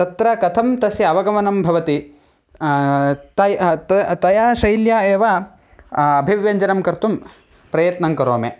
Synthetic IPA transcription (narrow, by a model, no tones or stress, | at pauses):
t̪ɐt̪ɾɐkɐt̪ʰɐmt̪ɐsiɐʋɐɡɐmɐnɐmbʱɐʋɐt̪i | t̪ɐjt̪ɐt̪ɐjaːʃɐjljaːeːʋa | ɐbʱiʋjɐɲd͡ʒɐnɐmkɐɾt̪um | pɾɐjɐt̪nɐŋkɐɾoːme